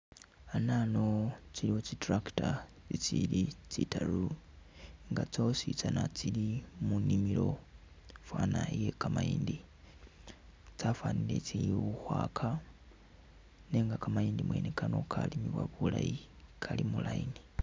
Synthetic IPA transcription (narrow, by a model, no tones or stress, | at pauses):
anano̞t͡siliwo̞t͡sitrakta | t͡sit͡silit͡sitaɾu | ŋɡat͡sosit͡sanat͡silimunimilo̞ | fwanaje̞kamaiːndi | t͡safwanilet͡siiwuxwakʰa | neŋɡakamaiːndimwe̞̰nekano̞kʰalimiβwa̰βula̰ji | kʰalimulaini